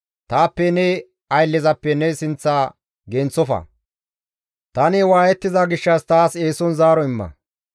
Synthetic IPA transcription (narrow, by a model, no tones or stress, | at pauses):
t̪aːpːɛnɛ | ɐjlːɪzɐpːɛnɛsɪnt͡sːaː | ɡɛnt͡sːɔfɐ̰ | t̪ɐnɪwaːjɛt̪ːɪzaɡɪʃːɐst̪aːse̞ːsɔnzaːɾɔɪmːɐ̰